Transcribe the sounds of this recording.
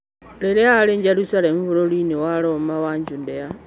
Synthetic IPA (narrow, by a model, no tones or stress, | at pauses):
leɾealeɲd͡ʒeɾusalemuβuɾolinewalomawaɲd͡ʒundea